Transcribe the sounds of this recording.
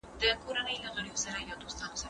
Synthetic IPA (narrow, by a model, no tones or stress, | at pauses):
d̪̥əkʰoɾanəjlaɣəɽjosaɾajɑwd̪ost̪ɑnosa